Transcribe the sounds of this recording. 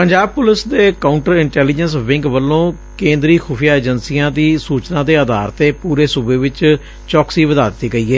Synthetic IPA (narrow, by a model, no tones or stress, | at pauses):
pəɲd͡ʒaːb̚pʊlɪsd̪eːkaːʊɳʈəɾɪɳʈɛːliːd͡ʒənsʋɪ̃ŋɡʋəlːõː | kẽːnd̪ɾiːxʰʊpʰijaːeːd͡ʒənsiːãːd̪iːsuːt͡ʃnãːd̪eːəd̪a̰ːɾt̪eːpuːɾeːsubeːʋɪt͡ʃ | t͡ʃɔːksiːʋəd̪aːd̪ɪt̪ːiːɡəiːɛː